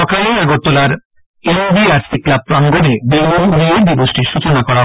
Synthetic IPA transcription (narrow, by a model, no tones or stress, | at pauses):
ɔkʰaleaɡot̪ːolaɾ | enbiaɾsiklab̚pɾaŋɡonebemunoed̪ibosʈiɾʃut͡ɕonakɔɾa